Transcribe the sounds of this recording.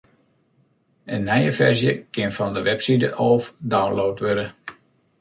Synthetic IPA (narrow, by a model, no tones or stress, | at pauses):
ənːɛjəfɛɹzjəkɪnfɔndəʋɛpsidəʔoːfdawnlowtʋødə